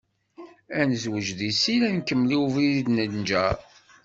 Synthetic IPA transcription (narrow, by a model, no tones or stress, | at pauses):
ænzwəʒðisilænkəmːliwviðiðnənd͡ʒæ